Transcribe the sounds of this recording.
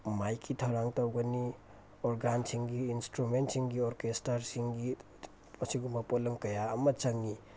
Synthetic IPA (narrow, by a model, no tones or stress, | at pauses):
majkʰitʰɐwɾaŋtawɡɐni | ɔɾɡansiŋɡiːnstɾumentsiŋɡiɔɾkestɐɾsiŋɡi | ɐsiɡumɐpolɐŋkɐjaɐmɐt͡ʃɐŋni